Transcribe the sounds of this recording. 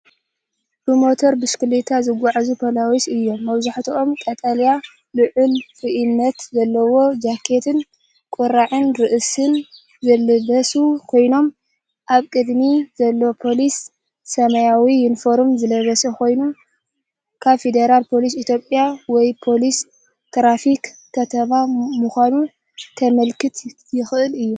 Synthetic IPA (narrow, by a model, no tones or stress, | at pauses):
pɾumo̞t̪ʰoɾbɨskɨlit̪ʰazɨɡʷaʕazupʰɐlawisɨjːo̞mːɐβzaħt̪ʰiʔo̞mkʼɐt̪ʼalja | lɨʕʊlfɨʔɨnːɐt̪zɐlːɐwo̞d͡ʒakʰːe̞t̪ʰɨn | kʼʊɾaʕɨnɾɨʔɨsɨn | zɐlɨbɐsukʰo̞jno̞m | ʔaβkʼɨd̪mizɐlːɐwopʰo̞lisː | ɐmɐjawiɪnfo̞ɾmzɨlɐβɐsɐkʰo̞jnu | kʰaβfe̞d̪eɾalpʰo̞lis̬it̪ʰjo̞pʼːjawɔjpʰo̞lis | t̪ʰɾafikkʰːɐt̪ʰɐβamuxʷanu | t̪ʰɐmɐlkɨt̪ʰ | jɪxʔɨlɨjːu